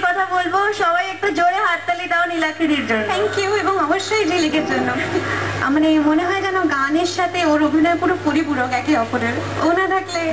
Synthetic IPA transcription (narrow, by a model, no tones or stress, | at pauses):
kɔt̪ʰabolboʃɔbajɛk̚ʈud͡ʑoɽeɦaʈt̪alit̪aonilakʰiɽiɾd͡ʑonʰɛŋkjueboŋɔboʃːojd͡ʑelikeɾd͡ʑonːoa̰manemoneɦɔed͡ʑɛnoɡaniɾʃat̪ʰeoɾobʱinɔepuɾopoɾipuɾokɛkiɦɔfoɾeɾonad̪ʱakle